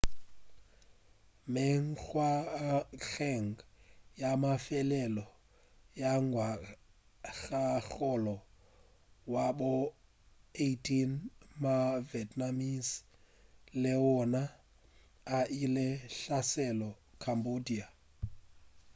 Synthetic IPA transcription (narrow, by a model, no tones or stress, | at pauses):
meŋ̩k͡xwa | ɣɛŋ̩jamafɛlɛlɔ | jaŋwa | ɣaɣɔlɔ | wabʊ | etʼʰinmavɛtʼnamis | lɪʊna | aʔilɪɬasɛlɔ | kʰambodia